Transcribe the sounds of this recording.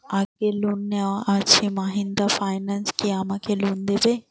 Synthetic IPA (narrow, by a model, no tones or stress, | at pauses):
aɡelunːaaemaɦĩnd̪afaːɪnanskiamãkʰelund̪ebe